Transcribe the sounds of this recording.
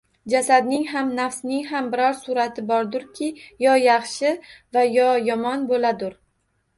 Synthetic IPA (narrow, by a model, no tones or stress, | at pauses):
d͡ʒasad̪nɪŋɦamnafsnɪŋɦambɪɾɒɾsʊɾat̪ʰɪbɒɾd̪ʊɾkʲʰɪjɒjɑχʃɪvajɒjɒmɒnbolad̪ʊɾ